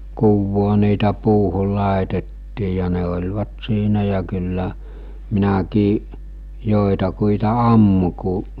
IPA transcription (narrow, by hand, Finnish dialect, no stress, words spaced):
kuʋːoː niːtæ puːhul̆ lɑˑetetːiː jɑ ne olʲʋɑt siːnæ jɑ kylːæ minækiːʔ joˑetɑkuitɑ ɑmːu kuʔ